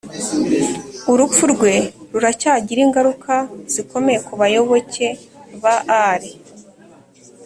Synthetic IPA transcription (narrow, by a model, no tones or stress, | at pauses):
uɾup͡fuɾɡwe̞ɾuɾacaːɟiɾiŋɡaɾukʰaz̥iko̞me̞jekuβajo̞βo̞ce̞βaʔaɾe